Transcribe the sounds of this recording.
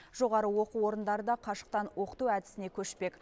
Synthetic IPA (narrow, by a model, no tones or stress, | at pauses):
ʒ̥o̞ʁɑɾəwo̞quwwo̞ɾənd̪ɑɾəd̪ɑqʰɑʃə̥q̚t̪ɑnwo̞qə̥t̪uæd̪ɪ̥sɪne̞kʲʰɵʃpe̞k